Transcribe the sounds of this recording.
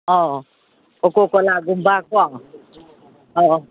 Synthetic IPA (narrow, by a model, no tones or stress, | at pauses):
ɔ | okokɔlaɡumbakʷɔ | ɔ